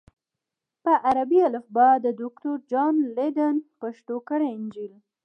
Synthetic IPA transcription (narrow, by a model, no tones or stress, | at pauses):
pəʔaɾabialəfbɑd̪əd̪ʊkt̪oɾd͡ʒɑnled̪ənpaʃʈ̪okəɽeɪnd͡ʒil